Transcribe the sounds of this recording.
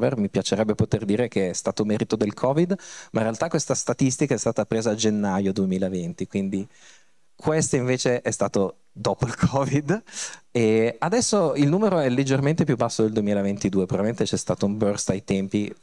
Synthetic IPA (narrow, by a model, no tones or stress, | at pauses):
vermipjat͡ʃeɾɛbːepot̪erd̪iːɾekeɛst̪aːt̪omɛːɾit̪od̪elkʰɔːvid̪mʔaĩnɾealt̪akwest̪ast̪at̪ist̪ikaɛst̪aːt̪apɾeːzaːd͡ʒenːajod̪uemiːlaevent̪ikwind̪i | kʰwest̪oiɱveːt͡ʃeʔɛst̪aːt̪o | d̪oːpoilkʰɔːvid̪ɛad̪ɛsːoilnuːmeɾoɛlːed͡ʒːerment̪epjubːasːod̪eld̪uemiːlavent̪id̪uːepɾovabiment̪et͡ʃɛst̪aːt̪oumbørst̪ajt̪ɛmpi